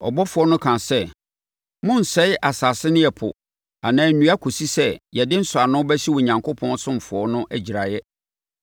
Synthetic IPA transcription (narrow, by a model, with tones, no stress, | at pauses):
ɔ̰˨bɔ˦fʊ˨ɔ˦nʊ̃˦kʰã˨sɛ˦ | mʊ̃˦n̩˨sɛ˦jʔa˨saː˨sɪ˦nɪ̃˦ɛ˨pʰʊ̰˨ | a˨nãː˨˦nũ˦a˦kʰo˨si˦sɛ˦jɛ˨dɪ˦n̩˦sʊ˨a˨nʊ̃˦bæ˦si˦wɔ˨ɲã˨ŋkʰʊ˦pʰɔ̃˦n˦sʊ̃˦m˨fʊ˨ɔ˦nʊ̃˦ʔæ˨d͡ʑi˨ɾa˨jɛ˦